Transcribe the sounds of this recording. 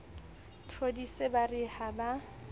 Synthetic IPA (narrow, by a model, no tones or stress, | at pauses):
tʰodisebarɪhaba